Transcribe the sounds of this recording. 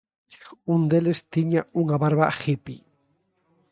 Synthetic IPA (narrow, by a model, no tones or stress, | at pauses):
und̪elest̪iɲauŋaβaɾβaxipi